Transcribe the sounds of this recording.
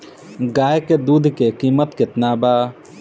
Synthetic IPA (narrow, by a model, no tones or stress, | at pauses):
ɡaːjked̪uːd̪ʱkekiːmət̪kɪt̪naːbaː